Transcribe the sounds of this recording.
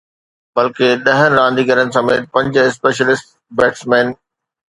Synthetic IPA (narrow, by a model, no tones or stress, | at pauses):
bɐlkeɗɐɦənɪ̆ɾãːnd̪iɡɐɾənɪ̆sɐmeːʈ̪̚pɐ̃ɲd͡ʑɪspeːʃ̬əlɪsʈ | beːʈsmeːn